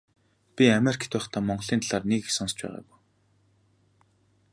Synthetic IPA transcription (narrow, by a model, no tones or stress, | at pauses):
pʲiamerikʰt̪ʰʊːχt̪ʰaːmɔɴɢɞɮiːnt̪aɮaːrneksɔnst͡ɕpæ̰ːʁa̰ːwuː